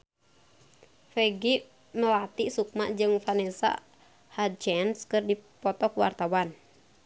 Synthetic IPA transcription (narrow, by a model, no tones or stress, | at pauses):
fɛɡi | məlat̪isuk̚ma̰ʔd͡ʒɨŋfanɛsa̰ | had͡ʒɛnskɨrdipɔt̪ɔkwa̰rt̪awan